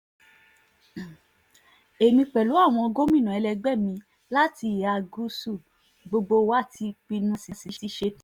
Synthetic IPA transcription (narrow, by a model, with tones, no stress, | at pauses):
e˨mĩ˧k͡pɛ˨lu˨˦a˦˨w̃ɔ̃˧ɔ˧ɡõ˦mĩ˦˨nã˨ɛ˧lɛ˧ɡ͡bɛ˦˨mĩ˧ | la˦ti˧˦˨a˧˨ɡu˦su˦˨ | ɡ͡bo˧ɡ͡bo˧wa˦˨tʰi˧k͡pi˧nũ˦si˧si˧˦si˦ʃe˦